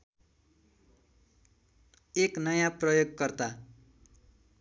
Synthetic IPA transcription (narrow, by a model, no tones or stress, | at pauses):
eknʌjãprʌjoɡ̚kʌrt̪a